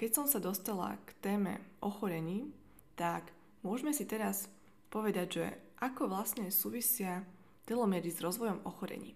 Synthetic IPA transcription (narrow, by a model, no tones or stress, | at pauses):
kɛcsɔmsad̪ɔst̪ala̰kt̪ɛːmɛ̰ʔɔxɔɾɛɲiː | t̪ak | mʊɔʒmɛsit̪ɛɾas | pɔʋɛd̪aɟʒɛ̰ʔakɔʋlasɲɛsuːʋisɪa | t̪ɛlɔmɛɾizɾɔzʋɔjɔmɔxɔɾɛ̰ɲḭː